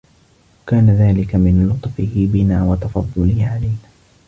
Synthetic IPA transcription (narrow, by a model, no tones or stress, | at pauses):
kaːnaðaːlɪkamɪnlʊt̪ˤfɪhɪbɪnaːwɑt̪ɑfɑd̪ˤːʊlɪhʕalajnaː